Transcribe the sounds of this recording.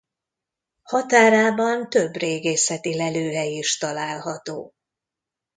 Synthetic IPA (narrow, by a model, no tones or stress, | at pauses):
hɒt̪aːɾaːbɒnt̪ø̞breːɡeːsɛt̪ilɛløːɦɛjiʃt̪ɒlaːlɦɒt̪oː